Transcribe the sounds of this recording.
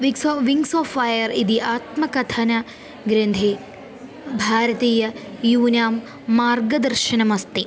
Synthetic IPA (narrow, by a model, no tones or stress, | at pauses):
ʋisʋiŋɡsoːfːɐjɐɾid̪iʔaːt̪mɐkɐt̪ʰɐnɐ | ɡɾend̪ʱeː | bʱaːɾɐt̪iːjɐjuːnaːmː | aːrɡɐd̪ɐɾʃɐnɐmɐst̪i